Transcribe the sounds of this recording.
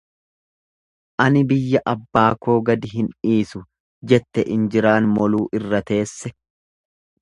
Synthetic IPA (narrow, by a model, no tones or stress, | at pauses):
ʔɐnɪbɪjːɐʔɐbːaːko̞ːɡɐd̪ɪɦɪniːsʊ | d͡ʒɛt̪ːɛʔɪnd͡ʒɪɾaːnmɔluːʔɪrːɐt̪e̞ːsːɛ